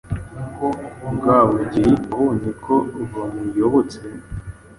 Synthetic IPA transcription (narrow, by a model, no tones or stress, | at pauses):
koɡaːwuɟiɾiuhunikʰoβamujoβot͡se